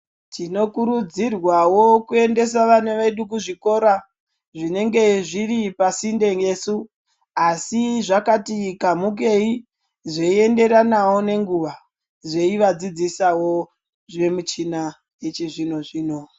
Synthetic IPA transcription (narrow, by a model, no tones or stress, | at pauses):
tino̞kuɾud͡zirwawo̞kue̞nde̞saʋanaʋeɗuk̬uʐiko̞ɾa | ʐine̞ŋɡe̞ʐiripasinde̞ŋesu | asiʐakatikamuk̬e̞i | ʐe̞ie̞nde̞ɾanawo̞ne̞ŋɡuʋa | ʐe̞iʋad͡zid͡zisawo̞ | ʐʋe̞mut͡ʃina | jet͡ʃiʐino̞ʐiːno̞